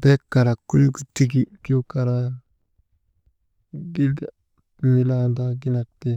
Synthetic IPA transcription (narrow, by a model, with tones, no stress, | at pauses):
be˦kːa˨ɾa˨kːu˦lɡu˨ti˦ɡi˦˨ki˦o˦ka˨ɾa˦ | ɡi˦˨ | mi˨la˦nda˦ɡi˦na˨k̚te˦